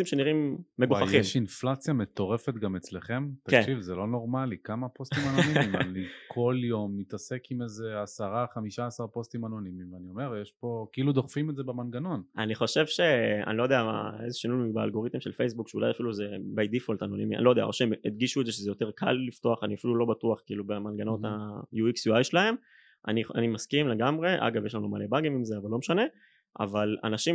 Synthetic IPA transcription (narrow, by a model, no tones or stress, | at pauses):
imʃeniʁimːeɡuχaχimʃinflat͡sjamet̪o̞ʁefet̪ɡamet͡sleχemt̪akeʃivzelo̞no̞ʁmalikamapostimanoniimanikʰo̞ljo̞mːit̪asekimezeasaʁaχamiʃaːsaʁpo̞st̪imano̞nimimveanio̞me̞ʁjeʃpo̞keilud̪oχfimetzebemanɡanonʔaniχo̞ʃe̞vʃe̞a̰nilojd̪eaa̰ezeʃinujmibea̰lɡo̞ʁit̪imʃelfejsbukʃeṵlajafiluzebajd̪ifolt̪ano̞nimia̰nilojdea̰oʃeemed̪ɡiʃued̪zeʃezejo̞t̪e̞ʁkʰa̰lːift̪o̞aχaniafilulo̞bat̪uaχkiiːlubemanɡano̞t̪ajuiksjuajʃelahe̞m | ʔa̰nianimaskimle̞ɡamʁe̞ʔa̰ɡavjeʃlanuma̰le̞baɡimimzeavalo̞meʃane̞ | a̰vala̰naʃi